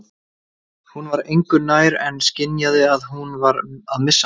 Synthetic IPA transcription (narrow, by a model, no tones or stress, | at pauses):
hunvaɾejŋkʏnaːjɾɛnscɪnjaðɪaðhunvaɾaðmɪsː